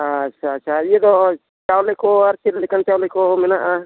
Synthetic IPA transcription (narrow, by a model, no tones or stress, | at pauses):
att͡ʃʰaːtːʃʰajed̪ɔ | t͡ʃawlɛkɔaɾsiɾlɛkant͡ʃawlɛkɔmɛnaʔa